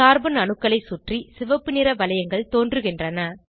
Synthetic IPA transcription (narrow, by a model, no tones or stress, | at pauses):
aːɾbɐnɐnɯkːɐɭɐɪsuʈrisɪʋɐpːɯnɪɾɐʋɐlɐjɐŋɡɐɭt̪oːndrɯɣɪndrɐnɐ